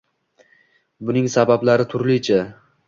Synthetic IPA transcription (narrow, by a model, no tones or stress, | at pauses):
bʊnɪŋsabablaɾɪt̪ʰʊɾlit͡ʃʰa